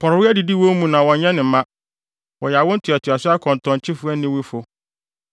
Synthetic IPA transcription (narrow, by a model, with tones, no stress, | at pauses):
pʰɔ˨ɾwɪ˦ɛ˦di˨di˦wõ˦mũ˨nã˨wɔ̃˨ɲɲɛ̃˦nɪ̃˨m̩˨˦mã˦ | wɔ˨jɛ˨a˨wʊ̃˦n̩˦tʰʊ˨ɛ˨tʰʊ˨a˨sʊ˦a˦kʰɔ̃˨n˨tʰɔ̃˨ɲ˨t͡ɕʰɪ˦fʊ˦ɛ˦nː˦ɪ̃˦wi˦fʊ˨